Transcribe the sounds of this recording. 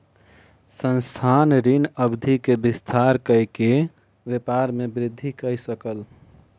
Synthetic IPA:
sənst̪ʰanɾinəbd̪ʱikebist̪ʰaɾkəjke | ʋepaɾmebɾɪd̪ʱːikəjsəkəl

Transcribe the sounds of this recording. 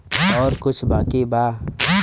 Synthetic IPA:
ɔːɾkʊt͡ʃʰbaːkibaː

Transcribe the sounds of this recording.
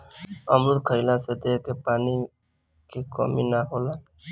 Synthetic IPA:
əmɾud̪̚kʰəilãsed̪eːkepaːni | kikɔ̰minaɦoːlaː

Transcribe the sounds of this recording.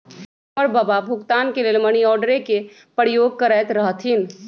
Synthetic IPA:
əɾbaːbabʱʊkt̪aːnkeleːlməñiɔːɾɖəɾeke | pəɾɪjoːɡ̚kəɾɛːt̪ɾəɦt̪ʰɦɪn

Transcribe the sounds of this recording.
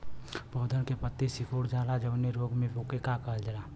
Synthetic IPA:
poːd̪ʱənkepət̪ːesɪkʰoːɽd͡ʒaːlad͡ʒəbneɾoːɡmẽboːkekakəld͡ʒəlaː

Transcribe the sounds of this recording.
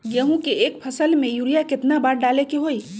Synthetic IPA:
ɡeɦũkeeːkpʰəsəlmẽjuɾijakɪt̪nabaːɾɖaːlekeɦoːi

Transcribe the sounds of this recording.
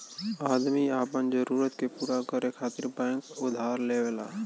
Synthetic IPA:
aːd̪miaːpənd͡ʒəɾuːɾət̪kepuːɾakəɾekʰaːt̪ɪɾbɛ̃ːŋkʊd̪ʱaːɾleʋela̰ː

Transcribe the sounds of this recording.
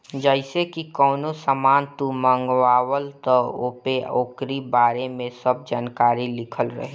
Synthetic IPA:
d͡ʒəɪsekikɔːnosəmaːnt̪umə̃ŋɡʋaːwəlt̪ɔoːpeoːkɾibaːɾemẽsəb̚d͡ʒaːnkaːɾilɪkʰəlɾə̰ɦe

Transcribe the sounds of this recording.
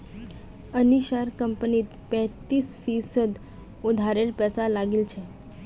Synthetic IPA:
əniʃaɾkəmpənit̪pɛ̃t̪isfisəd̪ | ud̪ʱaɾeɾpɛsalaɡilt͡ʃʰe

